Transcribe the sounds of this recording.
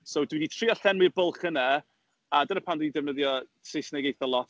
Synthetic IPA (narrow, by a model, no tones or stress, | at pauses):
sowdwiditʰriːɔɬɛnwɪrbʊlˠχəna | adənəpʰandwɪdidɛvnəðjɔsejsnɛɡejθəlˠɔt